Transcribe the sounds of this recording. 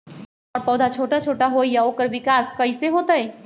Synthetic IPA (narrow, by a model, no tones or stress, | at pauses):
ɔːɾpɔːd̪ʱat͡ʃʰoːʈat͡ʃʰoːʈaɦoːijaoːkəɾʋɪkaːskɐiseɦoːt̪aɦɛː